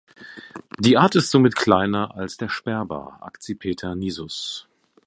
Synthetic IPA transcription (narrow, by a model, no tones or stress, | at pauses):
d̥iːʔaːɐtɪstz̥oːmɪtkʰl̥aɪnɐʔa̰lsd̥eːɐʃpɛɐba̰ːʔa̰kt͡sipʰeːtʰɐniːzʊs